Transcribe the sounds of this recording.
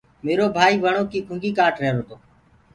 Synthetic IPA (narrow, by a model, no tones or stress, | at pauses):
meːɾoːbʱaːiːʋəɳoːkiːkʰʊ̃ŋɡiːkaːʈɾeɦɾoːt̪oː